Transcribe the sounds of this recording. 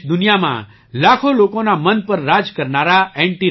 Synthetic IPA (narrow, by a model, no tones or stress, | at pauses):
d̪ʊnijamã̰ | lakʰolokonamənpəɾːad͡ʒkəɾnaɾaɛ̃ɳʈi